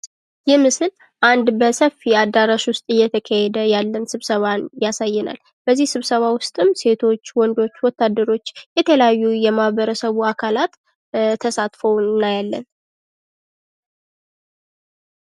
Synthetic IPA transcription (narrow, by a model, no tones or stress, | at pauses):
jɪhmɨsɨl | ʔand̪bəsəfːiad̪aɾaʃwʊst̪ʼɨjːɛt̪ʰəkʰahɛd̪əjalːənsɨβsəβanjasajːɛna̰l | b̥əzːihsɨβsəβawʊst̪ʼɨmse̞t̪ʰo̞t͡ʃːwɔnd̪o̞t͡ʃːwɔt̪ːad̪ːəɾo̞t͡ʃːjɛt̪ʰələjajːujɛmahβəɾəsəβuakʰalat̪ | t̪ʰːəsat̪fəwnːajalːə̰n